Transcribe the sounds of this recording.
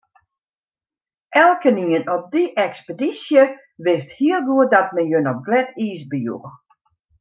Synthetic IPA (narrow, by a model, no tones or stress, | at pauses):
ʔɛlˠkəniənɔp̚diʔɛkspədisjə | ʋɪsthiəlˠʋuədɔt̚mɛnjønɔp̚ɡlɛtʰiːsbəjṵx